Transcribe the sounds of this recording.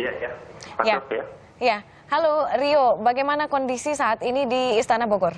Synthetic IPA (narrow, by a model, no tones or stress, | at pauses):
jajaajata | ja | haloriobaɡajmanakɔndisisaːt̪inidiːst̪anaboɡɔr